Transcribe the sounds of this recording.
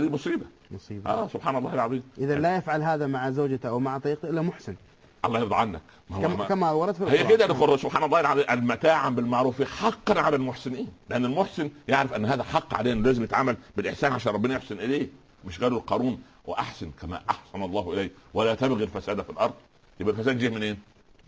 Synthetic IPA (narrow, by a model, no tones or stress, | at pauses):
æd̪ibosˤiːbæ | mɑsˤiːʔæːsʊbħaːnɑlˤːɑːhelʕɑðˤiːmʔɪðælajafʕalɦaːðamaʕzoːd͡ʒaʔawmaʕt̪ˤɑɾiːqt̪ʔɪlːæmʊħsɪn | ʔɑ̰lˤːɑːhjɑɾd̪ˤɑʕanːæk | mæmawɑɾˤɑd̪filhejːæked̪ælsʊbħaːnɑlˤːlaʔælmæt̪aːʕambɪlmaʕɾuːfiħɑqːɑnʕalælmoħsɪniːnleʔænːælmoħsɪnjaʕɾɪfʔænːɦæːðæħɑqːʕa̰leːnlæːzɪmjet̪ʕamːælbɪlʔeħsæːnʕaʃæːnɾˤɑbenæjoħsɪnʔɪleː | mɪʃɣæːlulqɑɾuːn | wḛʔaħsɪnkæmæ̰ʔɑħsɑnɑlˤːɑːhʔɪlæjwælæːt̪æbɣilfæsæːd̪æfilʔɑɾˤd̪ˤ | jebʔælfæsæːd̪d͡ʒiːmɪnʔeːn